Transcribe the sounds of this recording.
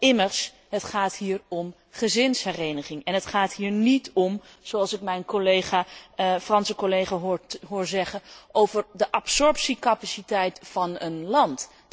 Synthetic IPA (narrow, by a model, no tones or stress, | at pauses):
ɪməɹs | ɦətχaːtɦiːɹɔm | χəzɪnsɦɛrejnəχɪŋɛnɦətχaːtɦiːɹnitɔm | z̥oɑlˠsɪk̚mɛjnkolejχaːfrɑnsəkolejχaːɦʊːɦʊːɹzɛχənʔowvəɹdəʔɑpsɔɹpsikɑpasitɛjtfɑnənlɑnt